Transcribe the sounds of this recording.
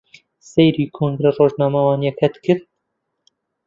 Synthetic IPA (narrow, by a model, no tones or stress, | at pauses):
sejɾiːkʰoːŋɡɾeroːʒnɑːmawɑːnijɛkʰɛt̪kɨɾ